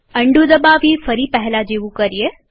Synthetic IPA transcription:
əɳɖud̪əbaʋiːfəɾiːpɛɦɛlad͡ʒeʋukəɾije

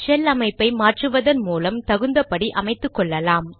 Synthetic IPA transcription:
t͡ʃɛlɐmɐɪpːɐɪmaːʈrɯʋɐðɐnmuːlɐmt̪ɐɣɯnd̪ɐpɐɽiʔɐmɐɪt̪ːɯkːɔɭːɐlaːm

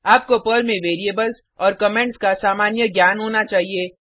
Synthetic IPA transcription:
aːp̚kopəɾmẽʋeːɾieːbəls | ɔːɾkɐmẽɳʈskasaːmaːnjəɡjaːnɦoːnat͡ʃaːɦieː

